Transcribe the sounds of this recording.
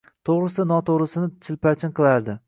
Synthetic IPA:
t̪ʰoʁɾɨsɪnɒt̪ʰoʁɾɪsɪnɪt͡ʃʰɪlpat͡ʃʰɪnqʰɨlˠaɾd̪ɪ

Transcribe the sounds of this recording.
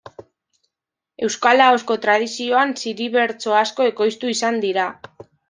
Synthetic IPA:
e̞wskalaosko̞t̪ɾað̞isio̞ansiɾiβe̞ɾt͡so̞asko̞e̞ko̞jst̪uisand̪iɾa

